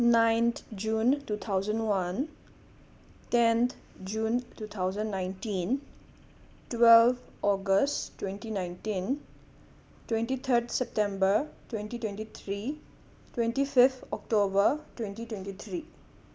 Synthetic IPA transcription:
najnt̪ʰd͡ʒuntut̪ʰawzə̃nwan | tent̪ʰ | d͡ʒuntut̪ʰawzə̃nːajntin | twelbɔɡəsttːwẽntinajntin | twẽntit̪ʰəɾd̪sep̚tẽmbəɾtwẽntitwẽntit̪ʰɾi | twẽntipʰipʰɔk̚ʈobəɾtwẽntitwentit̪ʰɾi

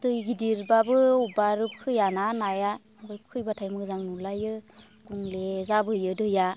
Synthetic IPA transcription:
dɯjɡidiɾbabɯubaɾɯp̚kʰɯjananaja | bɯjp̚kʰɯjbatʰajmɯzaŋnulajɯ | ɡ̥uŋlezabɯjɯdɯja

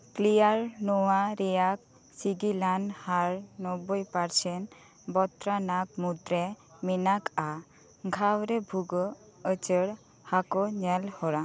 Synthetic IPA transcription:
klijaɾnɔwaɾɛjak̚ | siɡilanhaɾnɔbɔjpaɾsɛn | bɔt̪ɾanak̚mut̪ɾɛminaka | ɡʱawɾɛbʱuɡɔ | ət͡ʃəɽ | hakɔɲɛlhɔɾa

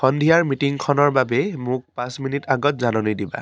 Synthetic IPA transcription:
xɔndʱijaɹmitiŋkʰɔnɔɹbabɛmʊk̚pãsminitaɡɔtzanɔnidiba̰

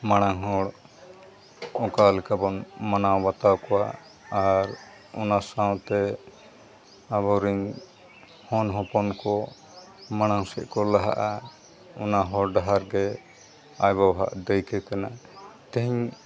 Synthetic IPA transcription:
maɽ̃aŋɦɔɽ | ɔkalɛkabɔnmanawbat̪awkɔwaː | ɾ | ɔ̰nasãwt̪ɛ | aβɔɾiɲ | hɔnɦɔpɔnkɔ | maɽ̃aŋsɛʔkɔlaɦa̰ʔa | ɔnaɦɔɽɖaɦaɾɡɛ | ajbawɦa̰ʔd̪ɛjkɛkanat̪ɛɦiɲ

